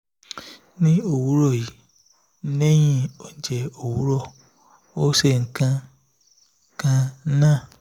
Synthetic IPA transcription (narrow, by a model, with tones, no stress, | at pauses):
nĩ˦o˦˨wu˨˦ɾɔ˦˨ji˨˦ | ne˦j̃ĩ˦˨o˨d͡ʒɛ˨o˨wu˨˦ɾɔ˦˨ | o˦se˦˨ŋ̩˨kã˧ | kã˧˦nãː˦˨